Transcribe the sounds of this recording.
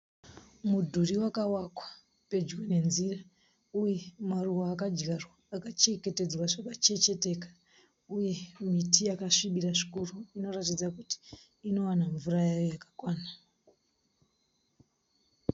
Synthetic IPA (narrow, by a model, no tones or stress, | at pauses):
mudʱuriwakawakwḁ | pe̞d͡ʒɡene̞nzira | uje̞maruwoakad͡ʒɡarwaːkat͡ʃe̞ke̞te̞d͡zwaʐakat͡ʃe̞t͡ʃe̞te̞ːkḁ | uje̞mitijakaʂiɓiraʐikuruino̞ratid͡zakuti̥ː | no̞wanaɱvurajajojakḁkwaːna